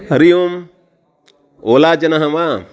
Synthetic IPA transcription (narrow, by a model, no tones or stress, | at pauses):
ɾijom | oːlaːd͡ʒɐnɐɦɐma